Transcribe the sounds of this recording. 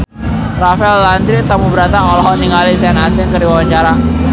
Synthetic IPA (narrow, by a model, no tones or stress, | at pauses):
rafɛlːand̪ɾɪʔt̪amubəɾat̪aɔlɔɦɔʔd̪iŋalisɛnat̪ɪŋkəɾiwawaɲt͡ʃaɾa